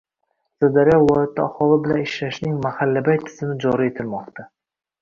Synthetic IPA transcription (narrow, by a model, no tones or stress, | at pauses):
sad̪aɾijɒɪlˠɒjat̪ʰːaːχɒlˠɪbɪlanɪʃlaʃnɪŋmahalːabajt̪ʰɪ̥z̥ɪmɪd͡ʒɒɾie̞t̪ʰɪlmɒqt̪ʰa